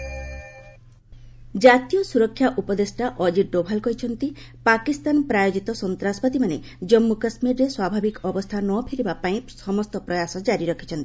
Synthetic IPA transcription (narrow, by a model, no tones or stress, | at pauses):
d͡ʒat̪ijɔsuɾɔkʰːjaʔupɔd̪esʈaʔɔd͡ʒiɖobʱalkɔɦit͡ʃʰɔnt̪i | pakist̪anpɾajod͡ʒit̪ɔsɔnt̪ɾasɔbpat̪imane | d͡ʒɔmːukasmiɾɾeswabʱabikɔbɔst̪ʰanɔpʰiɾibapaĩsɔmɔst̪ɔpɾɔjasɔd͡ʒaɾiɾɔkʰi̥t͡ʃʰɔnt̪ii